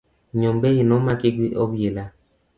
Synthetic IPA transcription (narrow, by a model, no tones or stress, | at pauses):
ɲombɛjinɔmakeɡʷiʔɔbela